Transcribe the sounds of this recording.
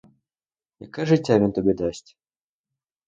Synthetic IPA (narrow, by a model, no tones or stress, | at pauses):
ja̰kaʐɨtʲavʲɪnt̪ɔbʲɛd̪asʲtʲ